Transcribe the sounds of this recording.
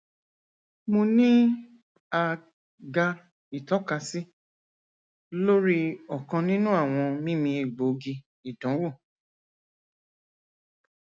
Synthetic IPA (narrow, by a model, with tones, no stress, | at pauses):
mõ˧nĩ˦ | a˧ | ɡa˧ | i˨tɔ˦ka˧si˦ | lo˦ɾi˦ɔ˨kã˧nĩ˦nũ˦a˦˨w̃ɔ̃˧mĩ˦mĩ˧i˨ɡ͡bo˨˦ɡi˧ | i˨dɔ̃˨˦wo˦˨